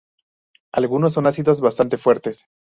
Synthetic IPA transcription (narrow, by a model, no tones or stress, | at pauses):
alɣuno̞s̬ːo̞nasiðo̞zβast̪ant̪e̞fwe̞ɾt̪e̞s